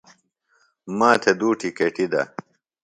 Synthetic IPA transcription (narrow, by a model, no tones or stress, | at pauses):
maːt̪ʰed̪uːʈʰikeʈid̪ɐ̰